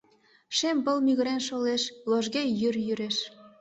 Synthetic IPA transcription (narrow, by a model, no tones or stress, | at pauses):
ʃembə̆lmyɣə̆ɾenʃoleʃloʒɣejyrjyɾeʃ